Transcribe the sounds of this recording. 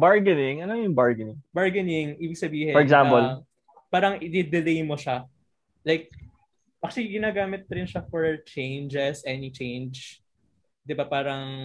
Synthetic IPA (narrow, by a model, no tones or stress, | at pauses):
baɹɡɪnɪŋɐnojʊŋbaɹɡɪnɪŋbaɹɡɪnɪŋʔiːbɪɡsɐbiːhɪfɔɹɛɡsãmpɔl | paːɾɐŋʔɪd̪ɛd̪ɪlejmoʃa | lajk̚ | ʔɐkʃliɡɪnaːɡaːmɪt̪̚ɾɪnʃafɔɹt͡ʃẽjnd͡ʒɛsʔɛnit͡ʃẽjnd͡ʒ | d̪ɪbapaːɾɐŋ